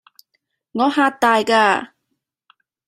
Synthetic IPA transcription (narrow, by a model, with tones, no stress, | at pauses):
ŋɔː˨˧haː˧k̚t̪aː˨jkaː˧